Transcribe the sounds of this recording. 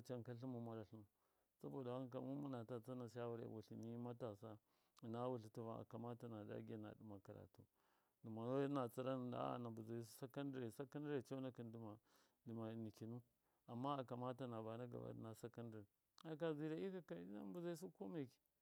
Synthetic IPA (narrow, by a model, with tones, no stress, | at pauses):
t͡ʃa˦ŋ˨ka˦ɬi˦mu˨mu˦ɾa˨ɬu˦m˨ | sa˦bo˨da˨wa˦ŋ˦ka˨˦mu˦mu˦na˨ta˨t͡sa˦na˨ʃ̬a˦wu˦ɾḛ˨wu˨ɬi˨ni˦ma˦ta˨sa˦ | i˨na˦wu˨ɬi˨tu˦va˦˨a̰˨ka˨ma˦ta˨na˨da̰˦ɡi˦˨na̰˨du˨ma˨ka˨ɾa̰˨tu˦ | du˨ma˨no˦na˨t͡sa˦ɾa˦n˨da̰˦a̰˨na˨bu˨za˨i˦s̬u˦sa˦ka˦ndi˦ɾe˨sa˦ka˦ndi˦ɾe˨t͡ʃa˦na˦ki˨ndi˨ma˨ | di˨ma˨ni˨ki˨nu˦ | a˨mːa˦a˨ka˨ma˦ta˨na˨ba˨na˦ɡa̰˨ba̰˦d̰na˨sa˦ka˦ndi˨ɾ | a˨k̬a˨zi˨ɾa˨i˦ka˦ka˦na̰˦bu˨za˦i˦s̬u˦ko˦me˦˨ki̥˨